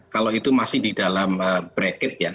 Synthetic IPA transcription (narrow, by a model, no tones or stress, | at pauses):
kaloit̪umasɪhdidalaməbɾɛkɪt̪̚ja